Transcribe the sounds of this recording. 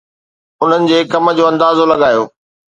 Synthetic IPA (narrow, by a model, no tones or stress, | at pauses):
ʊn̤ənɪ̆d͡ʑeːkɐmə̆d͡ʑoːɐ̃nd̪aːzolɐɠaːjo̰ː